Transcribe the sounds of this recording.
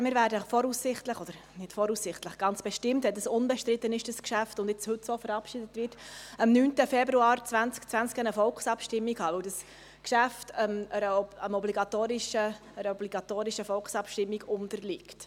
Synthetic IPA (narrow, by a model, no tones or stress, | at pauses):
mɪːɾvæːɾdəfɔɾuːsɪχtləχɔd̥əɾ | nɪtfɔɾusɪχtləχɡ̥ɑnt͡sb̥ɛʃtɪmtɛdəsʊnbɛʃtɾɪt̪ːənɪʃd̥əskʃæftʊndɪt͡shɵtsofəɾɑpʃidət̪ʋɪɾtəmnyːntəfɛbɾuɑːɾt͡sʋænt͡skt͡sʋænt͡skænəfɔlksɑpʃtɪmːikhɑːʋɵwdəs | kʃæftəməɾəəmɔbliɡɑt̪oːɾɪʃəː | ɾəɔbliɡ̥ɑt̪oːɾɪʃəfɔlksɑpʃtɪmːiɡʊntəɾlɪkt